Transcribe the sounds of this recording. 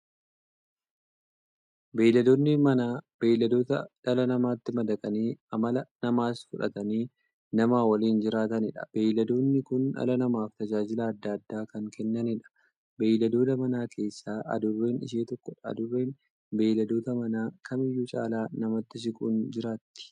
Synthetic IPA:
beːjlɐd̪onːɪmɐnaːb̥e̞ːjlɐd̪o̞ːt̪ɐᶑɐlɐnɐmaːt̪ːɪmɐd̪ɐkʼɐniːɐmɐlɐnɐmaːsfʊᶑɐ̰t̪ɐniː | nɐmaːwɐliːnd͡ʒɪɾaːt̪ɐnɪᶑɐ̥̰b̥e̞ːjlɐd̪o̞ːnːɪkʊnɐ̰lɐnɐmaːft̪ɐd͡ʒaːd͡ʒɪlɐːd̪ːɐɐd̪ːaːkɐŋkɛnːɐnɪᶑɐ̥ | be̞ːjlɐd̪o̞ːt̪ɐmɐnaːkʰe̞ːsːaːʔɐ̰d̪ʊrːe̞ːnɪ̰ʃ̬eːt̪ɔkːɔᶑɐɐ̰d̪ʊrːe̞ːn | be̞ːlɐd̪o̞ːt̪ɐmɐnaːkʰɐmɪjːuːt͡ʃʼa̰ːlaːnɐmɐt̪ːɪʃ̬ɪkʼuːnd͡ʒɪɾaːt̪ːɪ̥

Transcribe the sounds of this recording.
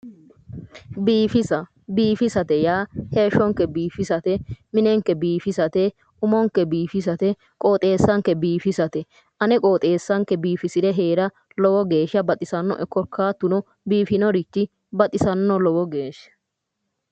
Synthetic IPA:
biːfɪsɐ | biːfɪsɐt̪ɛjaːhe̞ːʃːɔŋkːɛbiːfɪsɐt̪ɛmɪnɛŋkːɛbiːfɪsɐt̪ɛ | ʊmɔŋkːɛbiːfɪs̬ɐt̪ɛ | kʼo̞ːt̪ʼe̞ːsːɐŋkːɛbiːfɪsɐt̪ɛ | ʔɐnɛkʼoːt̪ʼe̞ːsːɐŋkɛbiːfɪsɪd̪ɛɦeːɾɐ | lɔwɔɡe̞ːʃɐbɐt̪ʼɪsɐnːɔ̰ʔɛkɔɾkʰːaːt̪ːʊnɔ | biːfɪnɔɾɪt͡ʃːɪ | bɐt̪ʼɪsɐnːɔlɔwɔɡe̞ːʃɐ̥

